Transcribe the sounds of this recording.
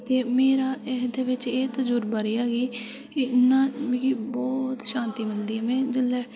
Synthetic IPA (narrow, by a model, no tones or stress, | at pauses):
t̪eːmeːɾaːɪɦd̪eːʋɪt͡ʃeːt̪əd͡ʒuːɾbaːɾiːaːɡiː | ɪnːãːiːkiːbɔːt̪ʃãːnt̪iːmɪld̪iːɦɛːmɛ̃ːd͡ʒɪlːɛː